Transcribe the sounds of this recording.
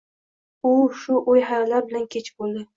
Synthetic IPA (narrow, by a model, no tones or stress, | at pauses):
ʊʃʊʔojɦajlaɾbɪlankʲʰet͡ʃʰbolˠd̪ɪ